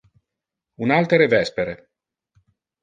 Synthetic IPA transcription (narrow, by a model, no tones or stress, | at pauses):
unalt̪eɾevɛspeɾe